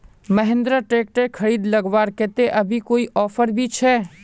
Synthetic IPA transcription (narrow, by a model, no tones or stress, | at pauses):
məɦɪ̃nd̪ɾaʈeːk̚ʈekʰɐɾiːd̪lɐɡʋaːɾkeːt̪eʔɐbʱikoːiʔɔːfəɾbʱit͡ʃʰɛː